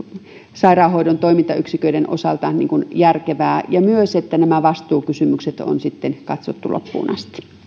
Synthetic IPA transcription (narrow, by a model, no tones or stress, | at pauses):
sɑirɑːhoidont̪oimint̪ɑyksikøiɾeno̰sɑlt̪ɑnḭːŋkunjærkeʋæːjɑmyøset̪ːænæmæʋɑst̪uːkysymykset̪o̰nsit̪ːenkɑt̪sot̪ːulo̰pːṵːnʔɑ̰st̪i̥